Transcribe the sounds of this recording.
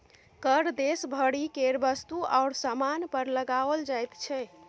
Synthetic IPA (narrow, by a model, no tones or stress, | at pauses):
kəɾd̪esbʱəɽikeɾbəst̪ua̰ʊɽsamanpəɾləɡaʋəld͡ʒajt̪t͡ʃʰɛ